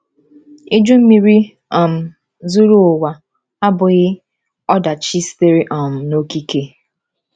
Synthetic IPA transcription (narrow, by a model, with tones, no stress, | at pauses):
i˦d͡ʒu˦m̩˦mi˨ɾi˦ | ɔ˨m̩˨ | zu˦ɾu˦ʊ˨wa˨ | a˦bʊ˨ɣɪ˦ | ɔ˦da˨t͡ʃi˦ste˦ɾi˦ʔɔ˨m̩˨no˦ki˦ke˦